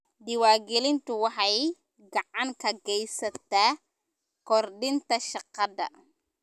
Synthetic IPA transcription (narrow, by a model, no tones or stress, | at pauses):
d̪ɪwɑːɡɛlɪnt̪ʰʊwɑħɑj | ɡɑʕɑŋkʰɐɡɛjsɐt̪ʰaː | kʰɔrɖɪnt̪ʰɐʃɑqɑdɐ̰